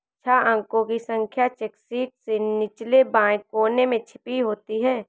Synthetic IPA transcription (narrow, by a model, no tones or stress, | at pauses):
t͡ʃʰaə̃ŋkõkisə̃ŋkʰjat͡ʃeksiːʈ̚senɪt͡ʃlebãːkːoːnemẽt͡ʃʰɪ̥piɦoːt̪iɦɛː